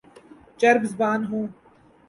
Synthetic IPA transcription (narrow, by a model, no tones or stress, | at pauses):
t͡ʃɐɾbzbaːnɦũː